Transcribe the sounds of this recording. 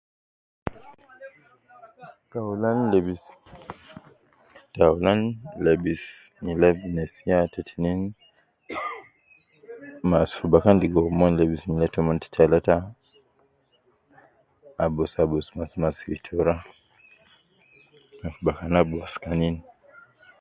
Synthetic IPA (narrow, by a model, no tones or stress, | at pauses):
taulanlɛbis | taulanlɛbis | nilɛbnɛsiatʰɛtʰinin | masfubakandiɡɔmɔnlɛbisnilɛtɔmɔnti̥tʰalata | bɔsabɔsmasmasitʰɔɾa | nafubakanabuaskanin